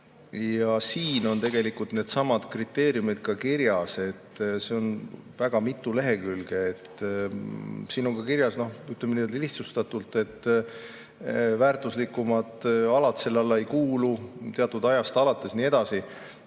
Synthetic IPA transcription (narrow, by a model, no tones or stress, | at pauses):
jɑsiːno̞nt̪e̞ɡe̞likult̪ne̞ːd̪̥sɑmɑd̪̥krit̪ːˑe̞ːɾjumid̪̥̚kɑkiɾjɑse̞t̪ːse̞o̞nvæɡ̥ɑmit̪ːˑule̞ɦe̞kylɡ̥eːt̪ː | siːno̞ŋkɑkiɾjɑsno̞hyt̪ːˑlemenijld̪liht̪sust̪ɑt̪ult̪ːˑe̞t̪ːˑ | væːrt̪ˑuslikːumɑd̪ɑlɑt̪se̞lːɑlːɑe̞jkuːlut̪eɑt̪ːˑud̪ɑjɑst̪ɑlɑt̪ːˑe̞sniːe̞d̪̥ɑsi